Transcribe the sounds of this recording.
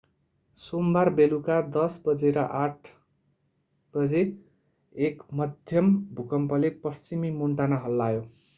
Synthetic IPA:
sombarbelukad̪ʌsbʌd͡zeɾʌʔaʈʰ | b̥ʌd͡ze | ekmʌd̪ʱjʌmbʱukʌmpʌlepʌst͡simimoɳʈanaɦʌlːajo

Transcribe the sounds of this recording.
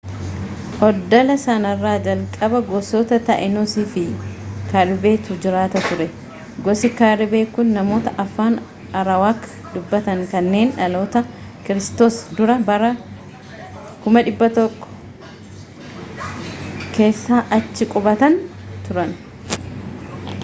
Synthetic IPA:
ʔɔd̪ːɔlɐsɐnɐrːaːd͡ʒɐlkʼɐbɐɡɔsoːt̪ɐt̪ɐʔɛnosiːfɪkaːɾɪbe̞ːt̪ʊd͡ʒɪɾaːt̪ɐt̪ʊɾɛ | ɡɔsɪkaːɾɪbe̞ːkʊnːɐmo̞ːt̪ɐʔɐfːaːn | ɐɾɐwaːkːɐ | d̪ʊbːɐt̪ɐŋkɐnːe̞ːnᶑɐloːt̪ɐ | kɪɾɪst̪o̞ːsd̪ʊɾɐbɐɾɐ | kʊmɐᶑɪbːɐt̪ɔkʼːɔ̥ | ke̞ːsːaːʔɐt͡ʃːɪkʼʊbɐt̪ɐnt̪ʊɾɐn

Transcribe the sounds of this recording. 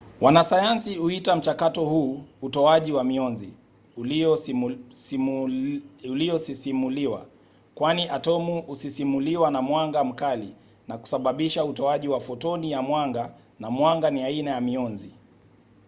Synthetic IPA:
wʔanasajansihuitam̩t͡ʃakatɔhuːutɔaʄiwamiɔnzi | uliɔsisimuliwa̰ | kwaniʔatɔmuʔusisimuliwanamwaŋɡam̩kali | naku̥saɓaɓiʃautɔaʄiwafɔtɔnijamwaŋɡa | namwaŋɡaniainajamiɔnzi

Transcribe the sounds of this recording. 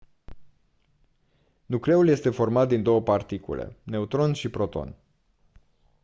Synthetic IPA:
nukle̞ulje̞st̪e̞fo̞rmat̪̚d̪ind̪o̞wəpart̪ikṵlḛne̞ut̪ɾo̞nʃipɾo̞t̪o̞̰n

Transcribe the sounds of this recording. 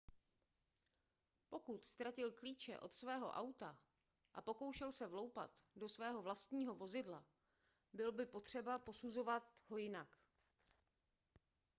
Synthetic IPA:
po̞kut̪st̪ɾacɪlkliːt͡ʃɛ̰ʔo̞t̪svɛːɦo̞̰ʔawt̪a | ʔapo̞ko̞wʃɛlsɛvlo̞wpa̰t̪do̞svɛːɦo̞vlast̪ɲiːɦo̞vo̞zɪdla | bɪlbɪpo̞t̪r̝̥ɛbapo̞suzo̞vat̪ɦo̞jɪnak

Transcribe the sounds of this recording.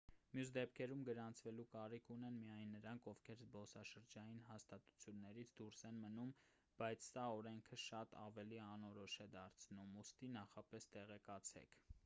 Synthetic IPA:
mjus̬d̪ɛp̚kʰɛɾumɡəɾɑnt͡sʰvɛlukɑɾikʰunɛnmijɑjnːəɾɑŋkʰɔvkʰɛɾzbɔsɑʃəɾd͡ʒɑjinɦɑst̪ɑt̪u̥t͡sʰjunːɛɾit͡sʰd̪uɾsɛnmənum | b̥ɑjt͡sʰsɑɔɾɛŋkʰəʃɑt̪ɑ̰vɛliɑnɔɾɔʃɛd̪ɑɾt͡sʰnumust̪inɑχɑpɛst̪ɛʁɛkɑt͡sʰɛ̰kʰ

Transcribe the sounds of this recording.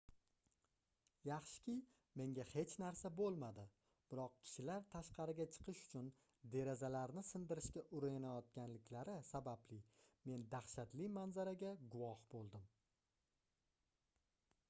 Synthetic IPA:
jɑχʃɪ̥kʲʰɪ | me̞ŋɡʲahe̞t͡ʃʰnaɾsabolˠmad̪ɪ | b̥ɪɾɒq̚kʲʰɪ̥ʃɪlaɾt̪ʰaʃqɑɾɪɡʲat͡ʃʰɨ̥qʰɨʃʊ̥t͡ʃʰʊn | d̪e̞ɾazalaɾnɪsɪnd̪ɪɾɪʃkʲaʔʊɾajanajɒt̪̚ɡʲanlɪkʲlaɾɪsabablɪme̞nd̪aχʃat̪lɪmanzaɾaɡʲaɡʊwɒhbolˠd̪ɪm

